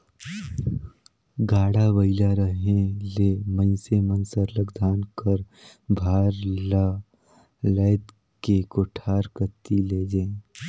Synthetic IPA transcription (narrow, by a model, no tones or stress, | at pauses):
ɡaːɽabəɪlaɾəɦẽleːmə̃ɪ̃semənsəɾləɡd̪ʱaːnkəɾ | bʱaːɾla | lɛːt̪ | kekoːʈʰaːɾkət̪ileːd͡ʒẽː